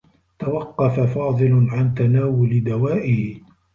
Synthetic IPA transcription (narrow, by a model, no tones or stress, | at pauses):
t̪awɑqːɑfafɑːðˤɨlʊʕant̪anaːwʊlɪd̪awaːʔɪhɪ